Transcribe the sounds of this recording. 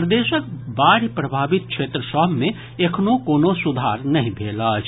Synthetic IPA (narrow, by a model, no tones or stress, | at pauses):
pɾəd̪eːʃək̚baːɾipɾəbʱaːbit̪̚kʃʰeːt̪ɾəsɔmẽ | ekʰnokoːnosud̪ʱaːɾnɐɦĩbʱeːlət͡ʃʰ